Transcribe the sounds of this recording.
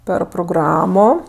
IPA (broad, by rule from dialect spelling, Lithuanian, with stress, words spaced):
ˈpʲɛr proːˈɡrɑːmoː